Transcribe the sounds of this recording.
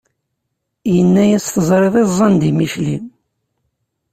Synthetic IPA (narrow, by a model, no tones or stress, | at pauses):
jənːæjæsθəzˤɾeðˤezˤːɑnd̪imiʃlim